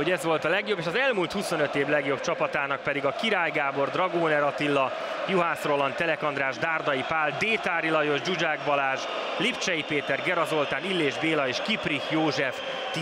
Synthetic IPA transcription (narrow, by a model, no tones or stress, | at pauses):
oɟɛzʋo̞lt̪ɒlɛɡjo̞beːʃɒzɛlmuːlt̪huso̞nøt̪eːblɛɡjo̞bt͡ʃɒpɒt̪aːnɒk̚pɛd̪iɡɒkiɾaːjɡaːbo̞rd̪rɒɡoːnɛɾɒt̪ilːɒ | juɦaːsro̞lɒnt̪ɛlɛkɒnd̪raːʒd̪aːrd̪ɒjipaːld̪eːt̪aːɾilɒjo̞ʒd͡ʒud͡ʒaːɡbɒlaːʒ | lipt͡ʃɛjipeːt̪ɛrɡɛɾɒzo̞lt̪aːnilːeːʒbeːlɒeːʃkiprihjoːʒɛf | t̪